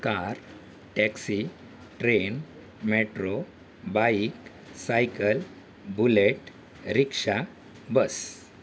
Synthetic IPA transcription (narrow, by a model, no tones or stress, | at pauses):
kaɾ | ʈɛksi | ʈɾen | meʈɾo | bajik | sajkəl | buleʈ | ɾikʂa | bəs